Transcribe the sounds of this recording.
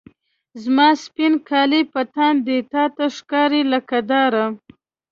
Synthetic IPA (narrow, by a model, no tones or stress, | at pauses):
zmɑspinkʰɑlipat̪and̪et̪ɑt̪aʂkɑɾilakad̪ɑɾa